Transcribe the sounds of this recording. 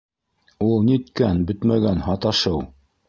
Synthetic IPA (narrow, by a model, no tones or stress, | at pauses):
ulˠniɵ̆t̪kænbɵt̪mæɡænhɑt̪ɑʃɤw